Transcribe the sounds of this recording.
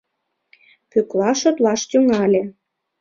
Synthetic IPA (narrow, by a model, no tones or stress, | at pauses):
kyklɑʃot̪lɑʃt̪yŋɑlʲe